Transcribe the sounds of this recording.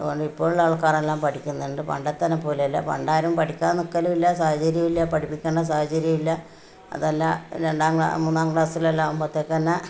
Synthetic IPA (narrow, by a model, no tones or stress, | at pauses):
ɐðuɣo̞ɳɖɨipːo̞ːɭlːaːɭkaːrelːaːmpɐʈʰikʲːunːuɳɖɨpɐ̰ɳɖet̪ːɐnɐpːo̞ːleɐlːɐ̰pɐ̰ɳɖaːjiɾɐumpɐʈʰikʲːaːnːokːɐlumilːɐsaːhɐt͡ɕɐɾjɐmilːɐpɐʈʰipːikʲːeːɳːɐs̬aːhɐt͡ɕɐɾjɐmilːɐ | ɐ̰ðelːaɾeɳɖaːŋɡa̰muːnːaːŋɡɭaːsilelːaːmpɐt̪ːekːɐnːɐ